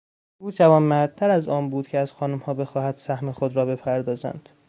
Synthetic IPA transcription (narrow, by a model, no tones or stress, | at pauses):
ʔuːd͡ʒævɒːnmæɾd̪̚t̪ʰæɾæzɒːnbuːd̪cʰeæz̥xɒːnumhɒːbe̞xɒːhæd̪̥sæhmexod̪ɾɒːbe̞pʰæɾd̪ɒːzæ̰nd̪̥